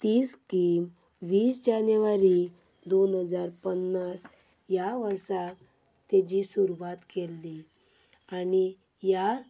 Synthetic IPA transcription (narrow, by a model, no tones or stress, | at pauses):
t̪iːskimʋiːsd͡ʑanjʋaɾid̪onɦəd͡zaɾpənːasjaʋəɾsa | t̪ed͡ʑisuɾʋat̪kʰelːi | anija